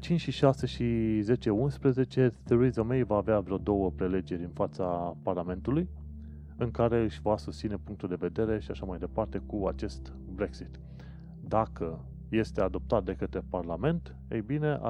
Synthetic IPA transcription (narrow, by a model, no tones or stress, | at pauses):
t͡ʃint͡ʃʲʃiʃase̞ʃize̞t͡ʃe̞unspɾəze̞t͡ʃe̞θiɾizomejvaːveavɾeod̪o̞wəpɾele̞d͡ʒe̞ɾʲɨnfat̪saparlame̞nt̪uluj | ɨŋkaɾe̞ɨʃʲvasust̪sine̞puŋk̚t̪uld̪e̞ve̞d̪e̞ɾe̞ʃiaʃamajd̪e̞part̪e̞kuat͡ʃe̞st̪ | bɾe̞ksit̪ | d̪akə | je̞st̪e̞ad̪o̞p̚t̪at̪̚d̪e̞kət̪ɾe̞parlame̞nt̪ | ḛjbine̞a̰